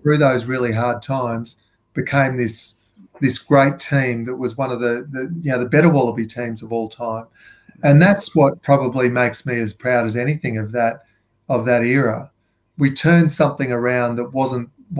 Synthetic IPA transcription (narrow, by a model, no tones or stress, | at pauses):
θɹʉðoʊzɹɪlˠiɦɑɹd̚tʰãɪ̃mz̥ | b̥ɨkʰẽɪ̃mðɪs | ðɪsɡ̥ɹeɪtʰĩmðɨt̚wʌzwʌ̃nʌvðɨðɨjɨnoʊðɨbɛɾə˞wɑlˠəbitʰĩmzʌvɔlˠtʰãɪ̃m | ɨ̃nðætswʌt̚pʰɹ̥ɑbəblimeɪksmiɨz̥pʰɹ̥aʊɾɨzɛñiθɪ̃ŋʌvðɨɾ | ʌvðɨɾɪɹə | witʰɜ̃˞nd̥sʌ̃mθɪ̃ŋə˞ãʊ̃nðət̚wʌzə̃n